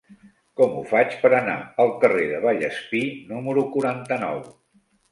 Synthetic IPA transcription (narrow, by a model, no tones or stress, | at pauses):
kɔmufat͡ʃpəɾəna̰əlˠkəreðəβ̞aʎəspinuməɾukuɾant̪ənɔw